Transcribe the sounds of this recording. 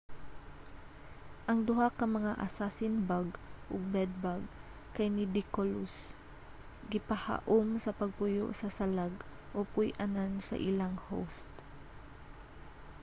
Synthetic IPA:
ʔɐŋd̪ʊɦakɐmɐŋaʔa̰sasɪnbaɡʔʊɡ̚bɛd̪̚baɡ | kajnɪd̪ɪkolʊs | ɡɪpaha̰ʔʊmsɐpɐɡ̚pʊjo̰ʔsɐsalaɡʔopʊjʔanansɐ̰ʔɪlaŋho̰wst̪

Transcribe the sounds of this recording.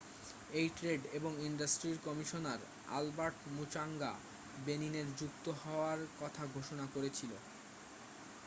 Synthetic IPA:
ejʈɾeɖeboŋiɳɖasʈɾiɾkɔmiʃonaɾ | a̰lbaɾʈmut͡ɕaŋɡa̰ | benineɾd͡ʑuk̚t̪oɦɔoaɾkɔt̪ʰaɡʱoʃonakoɾet͡ɕʰilo

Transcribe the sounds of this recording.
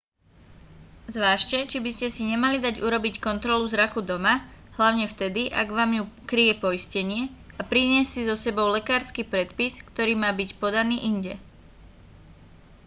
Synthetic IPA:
zʋaːʃcɛt͡ʃibiscɛsiɲɛmalid̪aɟuɾɔbickɔnt̪ɾɔluzɾakud̪ɔmaɦlaʊɲɛft̪ɛd̪iʔa̰ɡʋaːmjukɾijɛpɔiscɛɲɪɛ | apɾiɲɪɛsːizɔsɛbɔʊlɛkaːɾskiːpɾɛt̪piskt̪ɔɾiːmaːbicpɔd̪aniːʔiɲɟɛ

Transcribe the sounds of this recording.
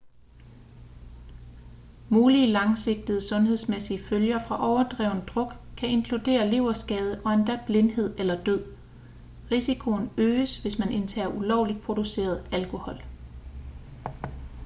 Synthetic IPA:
muːliəlɑ̈ŋse̝ɡ̥̚d̥ð̩ˠəsɔ̽nhe̝ð̞ˠsmesiəføljɐfʁɑ̈ʔɒʊɐd̥ʁɛ̰ːʊ̰nəd̥ʁɔ̽ɡ̥kʰæe̝nkʰlud̥e̝̰ːɐle̝ʊɐsɡ̥ɛːð̞ˠəʔɒ̽end̥æb̥le̝nhe̝ð̰ˠelɐd̥øð̰ˠ | ʁisikʰo̝nøːəsʋe̝smænʔe̝nt͡sʰæːɐʔulɒʊlid̥̚pʰʁo̝d̥use̝̰ːɐð̞̩ˠælkʰo̝hɒ̽l

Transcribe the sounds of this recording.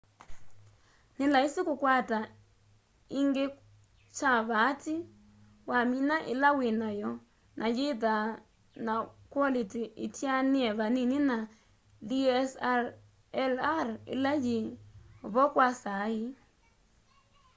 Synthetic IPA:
nɪlaisikukwata | iŋɡe | t͡ʃaβati | waminaʔɪ̰lawenajɔ | nʔajeða | nakwɔlitiʔitjanɪɛβaninina | liɛs | ɛlarɪ̰lajeβɔkwasai

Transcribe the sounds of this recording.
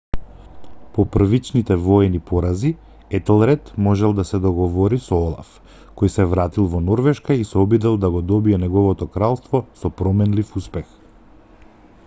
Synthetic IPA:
pɔpr̩vit͡ʃnit̪ɛvɔɛnipɔɾazi | ɛt̪ɛlˠɾɛt̪mɔʒɛlˠd̪asɛd̪ɔɡɔvɔɾisɔɔlˠa̰f | kɔjsɛvɾat̪ilˠvɔnɔɾvɛʃkaisɛɔbid̪ɛlˠd̪aɡɔd̪ɔbiɛnɛɡɔvɔt̪ɔkɾalˠst̪vɔsɔpɾɔmɛnlifuspɛx

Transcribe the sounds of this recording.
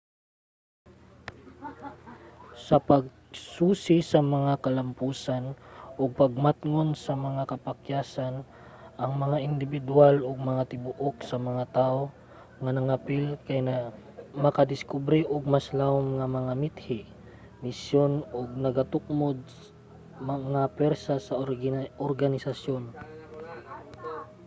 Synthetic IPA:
sɐpɐɡ̚ | suːsɪsɐmɐŋakɐlɐmpuːsanʔoɡ̚pɐɡ̚mat̪ŋonsɐmɐŋakɐpɐkjaːsan | ʔɐŋmɐŋaʔɪnd̪ɪbɪd̪ʊaloɡ̚mɐŋat̪ɪbʊʔok̚sɐmɐŋat̪aːʔo | ŋanɐŋapɪlkajna | mɐkad̪ɪskubɾiʔoɡ̚maslaʊmŋamɐŋamɪt̪̚hɪ | mɪsjonoɡ̚nɐɡat̪ʊk̚mod̪̚s | mŋapɛɾsasɐoɾɡanɪsasjon

